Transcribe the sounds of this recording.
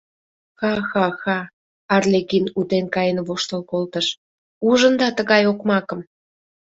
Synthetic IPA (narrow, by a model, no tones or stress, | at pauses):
xɑxɑxɑ | ɑrlekinut̪enkɑjənβoʃt̪əlkolt̪əʃ | uʒənd̪ɑt̪əɣɑjokmɑkə̆m